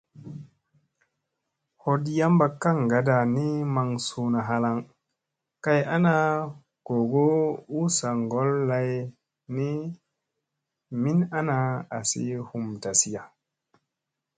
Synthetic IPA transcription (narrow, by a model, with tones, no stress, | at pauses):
ho˨di˦ja˦mba˨kːa˦˨ŋɡa˨da˨ni˦ma˨ŋsu˨na˨ɦa˦la˦ŋ | ka˦ja˦na˦ | ko˨ɡo˦u˦sa˨ŋɡo˦lːa˦j | ni˦ | mi˦na˦na˦a̰˨sḭ˦hu˨mta˨si˦ja˨